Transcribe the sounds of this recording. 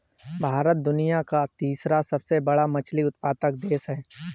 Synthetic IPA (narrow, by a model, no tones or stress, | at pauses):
bʱaːɾət̪̚d̪ʊnijakat̪iːsɾasɐbsebɐɽamɐt͡ʃʰliʊt̪̚paːt̪ək̚d̪eːsɦɛː